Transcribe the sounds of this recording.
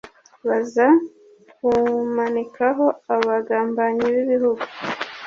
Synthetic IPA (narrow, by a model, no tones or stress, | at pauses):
βaza | kumanikʰaɦo̞aβaɡaːmbaɲiβiβiɾuɡu